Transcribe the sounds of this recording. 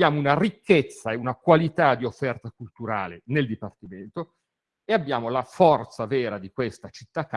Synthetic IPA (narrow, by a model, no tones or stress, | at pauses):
jaːmounarikʰːet̪sːaeunakwalit̪ad̪iofːɛrt̪akult̪uɾa̰ːleneld̪ipart̪iment̪o | eabːjaːmolafɔrt̪savɛːɾad̪ikwest̪at͡ʃit̪ːakː